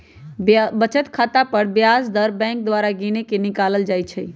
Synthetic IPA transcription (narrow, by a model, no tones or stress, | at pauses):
bət͡ʃət̪kʰat̪apəɾbjasd̪əɾbɛ̃ŋk̚d̪ʋaɾaɡinekenikaləld͡ʒajt͡ʃʰə